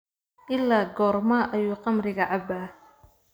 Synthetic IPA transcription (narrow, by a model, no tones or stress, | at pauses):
ʔɪlːaːɡɔːrmaːʔɐjuːqɑmrɪɣɐʕɑbaː